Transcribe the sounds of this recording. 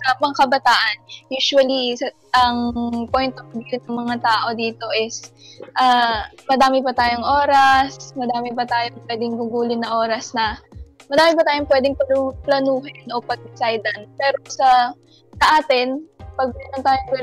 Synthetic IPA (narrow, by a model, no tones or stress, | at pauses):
sɐmɐŋakɐbɐt̪aːʔɐnjuːʃʊwɐliɐ | ʔɐŋpojnt̪ofbɪnɐŋmɐŋat̪aːʔo̞d̪iːt̪o̞ʔɪs | ʔaːmɐd̪aːmɪbɐt̪aːjoŋʔoːɾɐsmɐd̪aːmɪbɐt̪aːjoŋpwɛːd̪ɪŋɡʊɡuːlɪnnɐʔo̞ːɾɐsnɐmɐd̪aːmɪbɐt̪aːjoŋpwɛːd̪ɪŋpɐnuplɐnuːɦɪnʔo̞pɐɡ̚d̪ɪsajd̪ɐnpɛːɾo̞sɐ | sɐʔaːt̪ɪnpɐɡ̚inɐnt̪aːjoŋpwɛd̪